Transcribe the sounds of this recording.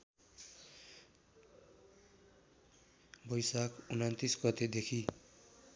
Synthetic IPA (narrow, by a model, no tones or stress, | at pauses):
bʌjsakunʌnt̪isɡʌt̪ed̪ekʰi